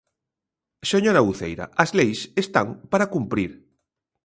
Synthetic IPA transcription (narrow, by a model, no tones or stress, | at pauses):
seɲoɾauθḛjɾa̰ʔɐzlejsest̪aŋpaɾakumpɾiɾ